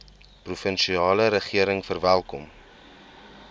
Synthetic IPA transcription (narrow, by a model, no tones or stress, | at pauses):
prufənʃiɑːləɾəχiəɾəŋfərvælˠkɔm